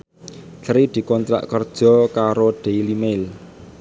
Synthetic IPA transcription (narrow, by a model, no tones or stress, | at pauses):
tɾid̪̥i̤kɔnt̪ɾa̰ʔkərd̥ʒ̥ɔ̤kaɾoɖ̪̥e̤ilimel